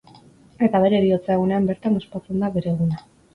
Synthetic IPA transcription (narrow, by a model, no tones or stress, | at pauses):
e̞t̪aβ̞e̞ɾeːɾio̞t͡saeɣ̞une̞ambe̞ɾt̪amospat͡se̞nd̪aβeɾe̞ːɣuna